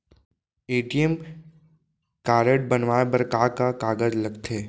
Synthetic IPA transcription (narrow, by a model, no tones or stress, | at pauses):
eːʈijəm | kaːɾəʈ̚bənʋaːebəɾkaːkakaːɡəd͡ʒlɐɡt̪ʰeː